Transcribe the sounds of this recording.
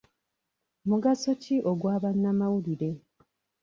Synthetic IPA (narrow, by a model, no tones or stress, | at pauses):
muɡasociʔoɡwaːβanːamawuliɾe̞